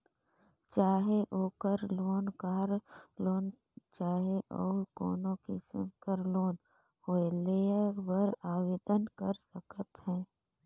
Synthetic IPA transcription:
t͡ʃaːɦeʔoːkəɾloːnkaːɾloːn | t͡ʃaːɦeʔɔ̰ːɾko̰ːnõkɪsə̰mkəɾloːn | hoːelebəɾaːʋeːd̪ənkəɾsəkət̪ɦɛ̃ː

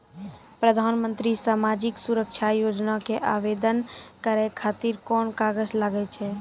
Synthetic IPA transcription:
pɾəd̪ʱaːnmə̃nt̪ɾisaːmaːd͡ʒɪksuɾəkt͡ʃʰajoːd͡ʒnakeʔaːʋed̪ənkəɾekʰaːt̪iɾkɔːnkaːɡəd͡ʒləɡɛt͡ʃʰɛː

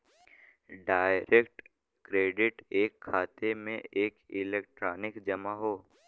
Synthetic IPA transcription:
ɖaːɪɾekʈ | kɾeːɖɪʈeːkʰːaːt̪emḛ̃ʔeːkɪleːk̚ʈɾaːnɪkd͡ʒɐmaɦoː

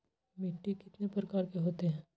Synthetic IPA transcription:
mɪʈːikɪt̪nepɾɐkaːɾkeɦoːt̪eɦɛ̃ː

